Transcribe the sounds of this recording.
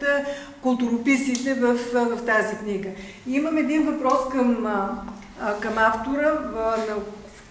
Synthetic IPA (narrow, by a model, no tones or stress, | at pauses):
t̪ə | kʊlˠt̪uɾopisit̪ɛvəfvɐft̪azikniɡə | iməmɛd̪invɐpɾɔskəm | kəmaft̪oɾənɐ